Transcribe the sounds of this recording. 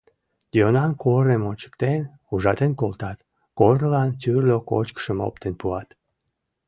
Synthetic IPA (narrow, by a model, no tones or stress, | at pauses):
d̪̥ʲionɑnkʰoɾemonʲt͡ɕə̥kt̪en | uʒɑt̪enkolt̪ɑt̪ | kornəlɑnt̪ʲyrlʲoko̰t͡ɕkə̥ʃəmo̰pt̪enpuɑt̪